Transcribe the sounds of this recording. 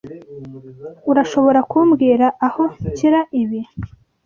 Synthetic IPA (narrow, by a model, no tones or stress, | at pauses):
uɾaʃoβo̞ɾakuːmɡiːɾaʔaho̞ciɾaʔiβi